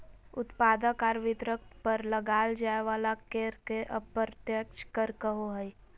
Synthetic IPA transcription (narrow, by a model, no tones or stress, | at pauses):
ʊt̪paːd̪əkaːɾʋɪt̪ɾəkpəɾləɡaːld͡ʒaːeʋaːlakeːɾkeʔəbəɾt̪jəkt͡ʃkəɾkəɦoɦəi